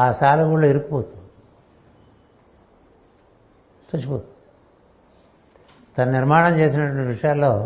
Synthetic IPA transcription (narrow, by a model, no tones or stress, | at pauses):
aːsaːlɐɡuɭloːiɾukːupoːt̪u | t̪ɐt͡ʃːipoːt̪u | t̪ɐnɐniɾmaːɳɐmt͡ʃe̞ːs̬inɐʈʋɐnʈiʋiʂɐjaːlːo̞ː